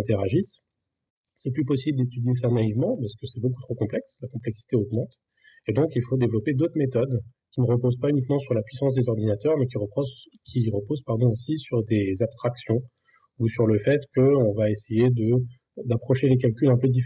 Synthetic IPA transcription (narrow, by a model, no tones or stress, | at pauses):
ɛ̃t̪eʁaʒis | sɛplypɔsibld̪et̪yd̪jes̬anaivmɑ̃paʁsə̥kəsɛboku̥t̪χokɔ̃plɛkslakɔ̃plɛksi̥t̪eoɡmɑ̃t̪ | ed̪ɔ̃kilfod̪evlɔped̪ot̪χmet̪ɔd̪ | kʲiməʁəpozpaynikmɑ̃syʁlapɥisɑ̃s̬d̪ezɔʁd̪inat̪œʁmɛkʲiʁə | kʰʲiʁəpozpaʁd̪ɔ̃osisyʁd̪ezabst̪χaksjɔ̃ | usyʁləfɛt̪kəɔ̃vaesejed̪ə | d̪apχɔʃelekalkʲylɛ̃pød̪if